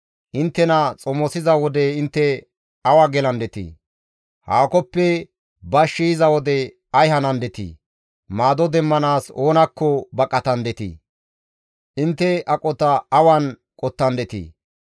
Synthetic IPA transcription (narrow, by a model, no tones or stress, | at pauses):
ʔɪnt̪ːɛnɐt͡sʼɔmɔsɪzɐwɔd̪ɛɪnt̪ːɛ | ɐwɐɡɛlɐnd̪ɛt̪ḭː | haːkɔpːɛ | bɐʃːijɪzɐwɔd̪ɛ | ɐjɦɐnɐnd̪ɛt̪ḭː | maːd̪ɔd̪ɛmːɐnaːso̞ːnɐkʰːɔbɐkʼːɐt̪ɐnd̪ɛt̪ḭː | ʔɪnt̪ːɛɐkʼɔt̪ɐɐwɐn | kʼɔt̪ːɐnd̪ɛt̪ḭː